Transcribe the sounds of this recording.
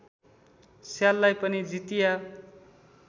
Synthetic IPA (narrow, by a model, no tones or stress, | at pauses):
sjalːajpʌnid͡zit̪ija